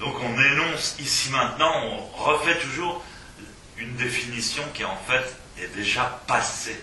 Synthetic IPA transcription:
d̪ɔ̃kɔ̃nenɔ̃sisimɛ̃t̪nɑ̃ɔ̃ʁəfɛt̪uʒuːʁ | ynd̪efinisjɔ̃kʲiɑ̃fɛt̪ | ɛd̪eʒapase

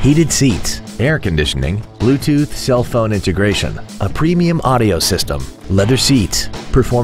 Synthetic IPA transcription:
hiɾɨd̥sitsɛɹkɨ̃ndɪʃɨnɪ̰̃ŋb̥lʉtʰʉθsɛlˠfõʊ̃nɪ̃ntɨɡɹeɪʃɨ̰̃nʔəpʰɹ̥ĩmiɨ̃mʔɑɾioʊsɪstə̰̃m | lɛðə˞sitspʰə˞fɔɹ

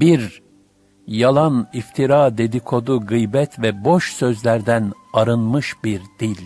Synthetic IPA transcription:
biɾ | jalˠanift̪ʰiɾaːd̪e̞d̪ikʰo̞d̪uɡɯjbɛt̪ʰvɛbo̞ʃsø̞zlʲæɾd̪æn | aɾɯnmɯʃbiɾd̪ilʲ

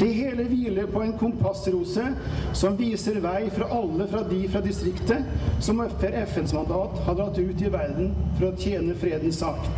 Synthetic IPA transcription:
ɛɦeːləʋiːləpʰɔɛnkʰʊmpʰɑsɾuːsəsɔmʋiːsəɾʋæɪfɾɑʔɑlːəfɾɑd̪ɪfɾɑd̪ɪst̪ɾɪkt̪əsɔmɔfəɾɛfɛnsmɑnd̪ɑːt̪hɑd̪əɑt̪ːʉːt̪ɪʋæɾd̪n̩fɔɾɔt̪ʰjeːnəfɾeːd̪n̩sɑk̪

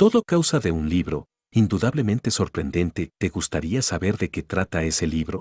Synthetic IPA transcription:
t̪o̞ðokawsaðe̞unliβɾo̞ | ind̪uðaβle̞mẽ̞nt̪e̞so̞ɾpɾe̞nd̪e̞nt̪e̞t̪e̞ɣust̪aɾiasaβe̞ɾðe̞ke̞t̪ɾat̪ae̞se̞liβɾo̞

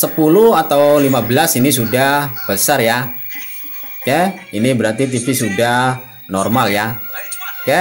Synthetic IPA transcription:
səpuluhat̪awlimabəlasinisudahb̥əsarja | kɛinibəɾart̪it̪ifisudah | nɔrmalja | kɛ

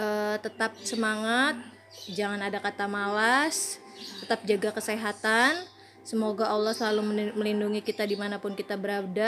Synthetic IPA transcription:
ʔət̪ət̪ap̚səmaŋat̪̚ | d͡ʒaŋanadakat̪amalas | t̪ət̪ap̚d͡ʒaɡakəseɦat̪an | səmoɡaʔalːɔhsəlaluməlinduŋikit̪adimanapʊnkit̪abəɾab̚da

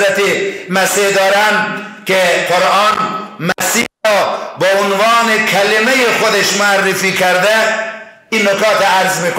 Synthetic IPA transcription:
ɾæt̪emæsed̪ɒːɾænkeqoɾʔɑːnmæsḭːɑːbeʊnvɑːnekʰælemejexod̪eʃmoærːefiːkʰæɾd̪æ | iːnːokʰɑːt̪ɾɔæɾzmiːko

